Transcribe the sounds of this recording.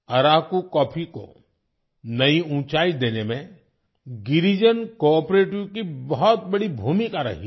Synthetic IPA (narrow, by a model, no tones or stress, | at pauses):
ɐɾaːkukɔːpʰiko̰ | nɐiũːt͡ʃaːid̪eːnemẽ | ɡɪɾid͡ʒənkɔːɾpɾeːʈjukibɔɦɔt̪̚bɐɽibʱuːmikaɾɐ̰ɦi